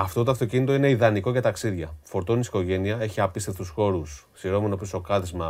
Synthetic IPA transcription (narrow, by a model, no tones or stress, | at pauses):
ɐft̪ot̪oɐft̪ocinit̪o̞ine̞iðɐniko̞ʝɐt̪ɐksiðʝɐfo̞ɾt̪onisi̥ko̞ʝe̞niɐe̞çiɐpist̪eft̪usxo̞ɾussiɾo̞menopiso̞kɐðizmɐ